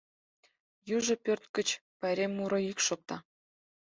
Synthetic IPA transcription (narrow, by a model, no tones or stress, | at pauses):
juʒŏpʲørt̪kə̆t͡ɕpɑɾʲemːuɾoikʃok̚t̪ɑ